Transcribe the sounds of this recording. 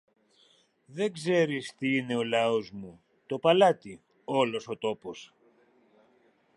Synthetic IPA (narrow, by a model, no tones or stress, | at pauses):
ðe̞ɡze̞ɾist̪iine̞o̞lɐo̞zmu | t̪o̞pɐlɐt̪i | o̞lo̞so̞t̪o̞po̞s